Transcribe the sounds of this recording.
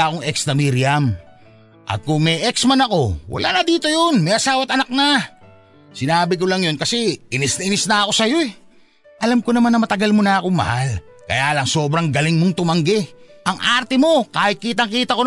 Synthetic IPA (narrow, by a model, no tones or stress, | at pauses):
akoŋɛk̚snɐmiɾɪjɐm | ʔɐ̰t̪̚kʊŋmɛʔɛksmɐnɐko̞wɐ̰lʔa̰nɐd̪iːt̪o̞jonmɐjʔɐsaːwɐt̪ɐnɐk̚na | sɪnaːbɪk̬olɐŋjo̞nkɐsɛʔɪnɪsnɐʔɪnɪsnɐːko̞sɐjo̞ɛ | ʔɐlamko̞nɐmanːɐmɐt̪ɐɡalmonɐːkoŋmɐ̰hal | kɐ̰jaːlɐŋso̞ːbɾɐŋɡɐlɪŋmoŋt̪ʊmɐŋɡɛʔɐŋʔaɾt̪ɛmo̞kaːhɪt̪̚kiːt̪ɐŋkiːt̪ɐko